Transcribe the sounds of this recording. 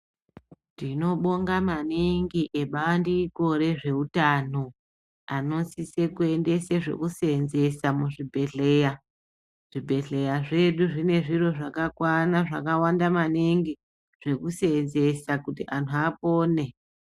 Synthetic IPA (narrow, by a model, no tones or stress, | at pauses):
ndino̞ɓo̞ŋɡamaniŋɡiʔe̞ɓaandiːko̞ɾe̞ʐe̞utano̞ | ano̞nsise̞kue̞nde̞seʐe̞̰kusenze̞samuʐibʱe̞ɮe̞ːja | ʐ̥ibʱe̞ɮe̞jaʐe̞ɗuʐine̞ʐiro̞ʐakakwanaʐakawandamaniŋɡi | ʐ̥e̞kusenze̞sakutiʔantʰuapoːne̞